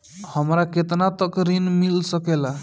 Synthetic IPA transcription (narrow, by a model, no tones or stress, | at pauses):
həmɾaket̪nat̪əkɾinmilsəkela